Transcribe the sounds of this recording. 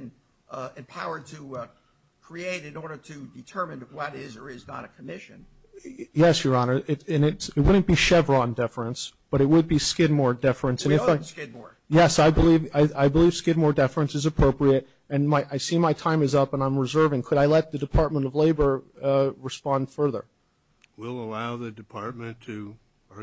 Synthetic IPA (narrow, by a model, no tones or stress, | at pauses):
n | ɨ̃mpʰaʊə˞d̚tʰɨ | kʰɹ̥ieɪɾɨ̃nɔɹɾə˞ɾɨdɨtʰɜ˞mɨ̃nwʌɾɪzə˞ɪznə̰ɾɨkʰəmɪʃɨ̰̃n | jɛsjə˞ɑnə˞ʔɪɨ̃nɪtsɨt̚wʊdⁿn̩b̥iʃɛvɹɑndɪfɹɨ̃nsb̥ʌɾɨt̚wəd̚biskɪd̚mɔɹdɪfɹɨ̃nsɨ̃nɨfaɪskɪd̚mɔ̰ɹ | jɛsaɪbəlivaɪaɪbəliv̥skɪd̚mɔɹdɛfɹɨ̃nsɨzɨpʰɹ̥oʊpɹiɨɾ | ɨ̃nmaɪʔaɪsimaɪtʰãɪ̃mɨzʌpə̃nãɪ̃mɹɨzɜ˞vɪ̃ŋkʰɨɾaɪlɛt̪̚ðɨdɨpʰɑɹt̚mə̃ñtʌvleɪbə˞ɹɨspɑ̃nd̥fɜ˞ðə̰˞ | wɪlˠəlaʊðɨdɨpʰɑɹt̚mɨ̃ntʰɨ